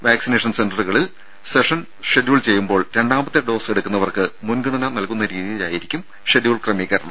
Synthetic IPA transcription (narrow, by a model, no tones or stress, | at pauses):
ʋaːksine̞ːʂɐnsendɐrɨɣɐɭil | seʂɐn | ʂeɖjuːɭt͡ɕe̞jːumbo̞ːɭɾe̞ɳɖaːmbɐt̪ːeɖo̞ːseɽukʲːunːɐʋɐrkɨmunɡɨɳɐnanɐlkunːɐɾiːðijila̰ːjiɾikʲːum | ʂeɖjuːɭkrɐmeːkʲːɐɾɐɳɐ̰mm